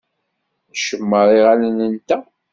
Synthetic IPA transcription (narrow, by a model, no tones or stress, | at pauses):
ʃəmːəɾˤiʁalənənt̪æ